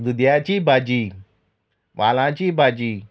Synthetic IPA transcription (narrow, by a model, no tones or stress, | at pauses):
d̪ud̪jat͡ɕiːbʱad͡ʑiː | ʋalãt͡ɕiːbad͡ʑiː